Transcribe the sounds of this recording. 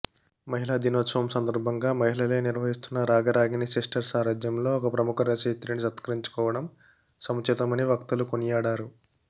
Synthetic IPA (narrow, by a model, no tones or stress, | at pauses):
mɐɦilaːd̪inoːt̪sɐʋɐmsɐnd̪ɐɾbʱɐŋɡaːmɐɦilɐle̞ːniɾʋɐɦist̪unːɐɾaːɡɐɾaːɡinisisʈɐɾsaːɾaːd͡ʒjɐmlo̞ːɔkɐpɾɐmukʰɐɾɐsɐt̪ɾinisɐt̪kɐɾiɲt͡ʃu̥kɔːʋɐɽɐm | sɐmɐt͡ʃit̪ɐmɐniʋɐkt̪ulukonijaːɽaːɾu